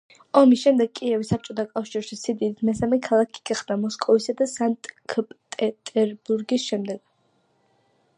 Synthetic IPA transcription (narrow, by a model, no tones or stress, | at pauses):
ɔmisʃɛmd̪ɛɡ̚kʼiɛvisap̚t͡ʃʼɔt̪ʰakʼafʃiɾʃisid̪id̪it̪ʰmɛsamɛkʰalˠakʰi̥ɡ̥aχd̪amɔskʼɔvisad̪asant̪ʼkʰpʼt̪ʼɛt̪ʼɛɾbuɾɡisʃɛmd̪ɛɡ̥